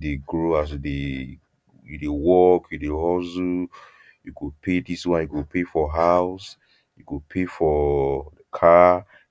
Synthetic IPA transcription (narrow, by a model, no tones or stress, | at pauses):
deɡɹoas̬jude | judewɔkjudeɦɔzu | jukupʰediswãnjukupʰefɔɦaʊs | jukupʰefɔ | kʰa